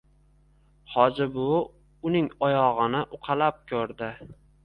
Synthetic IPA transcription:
hɒd͡ʒɪbʊ | ʊnɪŋɒjɒʁɨnɪʔʊqʰɑlap̚kʲʰɵɾd̪ɪ

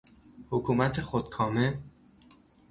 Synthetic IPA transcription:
hokʰuːmæt̪ʰexod̪kʰɒːme

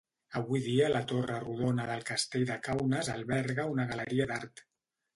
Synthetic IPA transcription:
əβuiðiələt̪orəruð̞onəðəlˠkəst̪eʎd̪əkawnəzəlˠβɛɾɣəunəɣ̞ələɾiəd̪aɾt̪

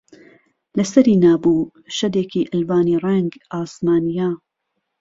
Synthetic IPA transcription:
lɐsɐɾiːnaːbuː | ʃɐd̪eːkiːʔɨlbaːniːrɛŋɡʔaːsmaːnijaː

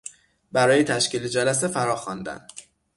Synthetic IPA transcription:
bæɾɒːjet̪ʰæʃciːled͡ʒælæs̬e̞fæɾɒːxɒnd̪æ̰n

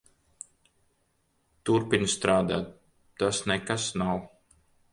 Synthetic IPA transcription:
t̪uɾpiɲʲst̪ɾaːd̪a̰ːt̪̚ | t̪asnekasnaw

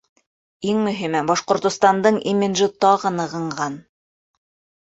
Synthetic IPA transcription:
iŋmɵ̆ɦimæbɑʃqŏɾt̪ŏst̪ɑnd̪ɤɴimʲid̪ʒɘt̪ɑʁɤ̆nɤ̆ʁɤ̆ɴɢɑn

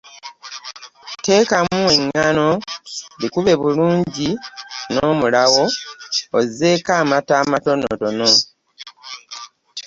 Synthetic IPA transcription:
te̞ːkamue̞ŋːano̞likuβe̞βuluːɲɟinoːmulaɣo̞oze̞ːkaːmataːmato̞no̰to̞no̞

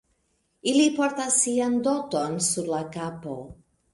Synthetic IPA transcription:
ilipo̞ɾtasːiando̞to̞nsuɾlakapo̞

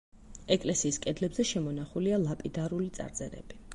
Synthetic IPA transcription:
ɛkʼlɛsiːskʼɛd̪lɛbzɛʃɛmɔnaχulialˠapʼid̪aɾulit̪sʼa̰ɾt̪sʼɛ̰ɾɛ̰b̥i

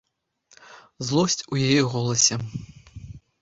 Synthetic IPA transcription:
zlˠɔsʲt͡sʲujajɛɣɔlˠɐsʲɛ

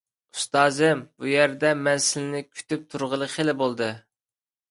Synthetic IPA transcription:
ust̪ɑːzɪmbujɛɾd̪ɛmɛnsɪlɪnɪkʲʰy̥t̪yp̚t̪ʰuɾʁəlˠəqʰelɪbolˠd̪ɨ

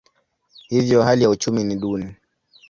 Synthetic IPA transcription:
hivjɔɦalijaut͡ʃuminiɗuni

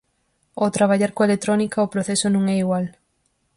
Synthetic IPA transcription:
ot̪ɾaβaʎaɾkoelet̪ɾonikɐopɾoθɛsonõŋɛiɣwal

